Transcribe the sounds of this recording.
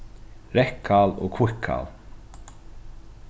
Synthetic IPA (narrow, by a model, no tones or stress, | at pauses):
ɾɛhkʰːalɔ̰kʰvʊhkʰa̰l